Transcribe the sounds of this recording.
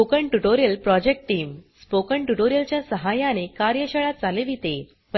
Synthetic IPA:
okəɳʈuʈoɾijəlpɾɔd͡ʑek̚ʈʈːiːmspokəɳʈuʈoɾijəlt͡ɕjasəɦajanekaɾjəɕəɭat̪̚d͡zaleʋiːt̪e | p

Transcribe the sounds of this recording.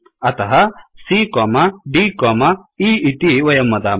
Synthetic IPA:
ɐt̪ɐɦɐsikoːmɐɖikoːmɐiːit̪iʋɐjɐmːɐd̪aː

